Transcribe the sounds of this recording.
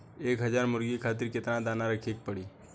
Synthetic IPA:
eːkɦəd͡ʒaːɾmʊɾɡikʰaːt̪̬ɪɾkɪt̪nãd̪aːnaɾəkʰek̚pəɽiː

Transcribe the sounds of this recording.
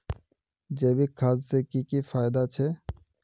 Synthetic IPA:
d͡ʒeːbikʰaːzseːkikifaːɪd̪at͡ʃʰeː

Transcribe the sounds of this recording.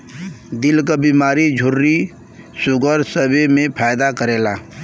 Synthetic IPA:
d̪ɪlkabiːmaːɾid͡ʒʱʊɾːi | sʊɡəɾsəbemẽpʰaːjd̪akəɾeːlaː

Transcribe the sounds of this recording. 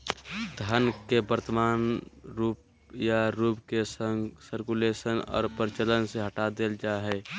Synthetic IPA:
d̪ʱənkebəɾt̪əmaːnɾuːp̚ | jaɾuːpkesəŋɡsəɾkulesənɔ̰ːɾpəɾɪt͡ʃələnseɦəʈad̪eld͡ʒaɦɛː

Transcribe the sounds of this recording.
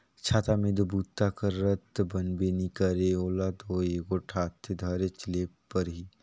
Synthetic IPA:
t͡ʃʰaːt̪amẽd̪obuːt̪ːakəɾət̪bənbenikəɾeoːlad̪oeːkoːʈʰaːt̪ʰːed̪ʱaːɾet͡ʃleːpəɾɦi

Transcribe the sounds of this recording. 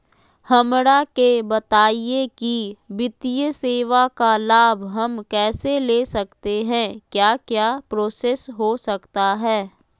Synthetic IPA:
hɐmɾakebɐt̪aːiekiʋɪt̪ijəseːʋakalaːbʱɦɐmkɛːseleːsɐkt̪eɦɛ̃kjaːkjaːpɾoːseːsɦosɐkt̪aɦɛː

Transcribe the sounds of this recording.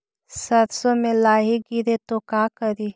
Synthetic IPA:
sɐɾsõmẽlaːɦiɡiɾet̪okaːkəɾiː

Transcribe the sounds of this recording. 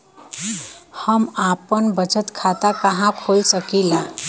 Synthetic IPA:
həmapənbət͡ʃət̪kʰat̪akəɦãkʰolsəkila

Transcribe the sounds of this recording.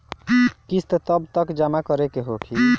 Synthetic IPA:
kist̪t̪əbt̪əkd͡ʒamakəɾekeɦokʰi

